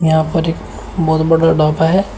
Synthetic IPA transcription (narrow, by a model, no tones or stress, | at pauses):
jɐɦãpɐɾek | bɔːt̪bɐɽaɖaːpaɦɛ